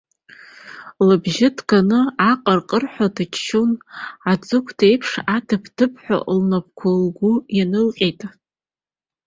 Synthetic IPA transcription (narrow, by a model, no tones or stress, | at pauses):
lɨbʒɪdʰɡʼanɨaqʼərqʼərħʷᶣadɨt͡ʃʰʃonad͡zʼɨkʷʰdejpʰʂadɨpʰd̥ɨp̚ʰħʷa̰ʔlnap̚ʰkʷʰalɡʷujanɨlqʲʼejtʼ